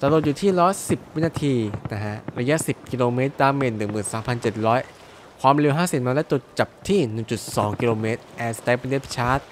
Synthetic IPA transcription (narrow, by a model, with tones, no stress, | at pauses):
t̪a˧lu˨˩t̪̚uː˨˩t̪ʰiː˥˩ɾɔː˦˥jsi˨˩p̚wi˦˥naː˧t̪ʰiː˧na˦˥kʰa˦˥ʔɾa˧ja˦˥ʔsi˨˩p̚kiː˧loː˧meː˦˥t̪̚daː˧mːeː˧˩nːɯ˨˩ŋmɯː˨˩nsaː˩˦mpʰa˧nt͡ɕe˨˩t̪̚ɾɔː˦˥j | kʰwaː˧mli˧wɦaː˥˩si˨˩˦maː˧lɛ˦˥t̪u˧˩t͡ɕa˨˩p̚t̪ʰiː˥˩nɯ˨˩ŋt͡ɕu˨˩t̪̚sɔː˩˦ŋki˧loː˧meː˦˥t̪̚ʔɛː˧st̪a˧˥pi˧nde˦˥pʰi̥˦˥t͡ɕʰaː˦˥t̪̚